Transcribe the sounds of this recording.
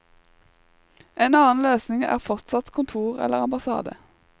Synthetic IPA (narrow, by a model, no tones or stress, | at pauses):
ʔeːnɑːn̩løːsnɪŋæ̰ːʁfɔʁt̪sɑt̪kʰʊnt̪ʰuːʁɛ̰ləʁɑmbɑsɑ̰ːd̪ə̰